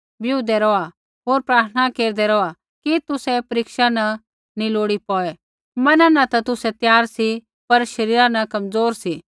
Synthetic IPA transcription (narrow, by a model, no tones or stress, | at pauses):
bjuːd̪ɛɾɔa | ɦoːɾpɾaːt̪ʰənakeːɾd̪ɛɾɔa | kit̪ʊsɛpɐɾɪkʃanɐ | niloːɽipɔːɛ | mɐnanat̪ɐt̪ʊsɛt̪jaːɾsi | pɐɾʃɐɾiːɾãnɐkɐmd͡zoːɾsi